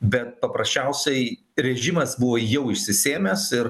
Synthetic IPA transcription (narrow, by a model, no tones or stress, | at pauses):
bʲɛt̪̚pɐpɾɐsʲt͡ʃʲɛʊsʲɛɪ | ɾʲɛʒʲɪmɐsbʊʋoːjɛʊɪʃʲsʲɪsʲeːmʲɛsɪɾ